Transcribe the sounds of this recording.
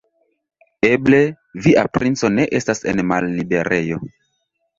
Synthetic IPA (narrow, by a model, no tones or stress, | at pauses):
e̞ble̞ | viʔapɾʔint͡so̞ne̞ʔe̞stase̞̰nmalːibe̞ɾʔe̞jo̞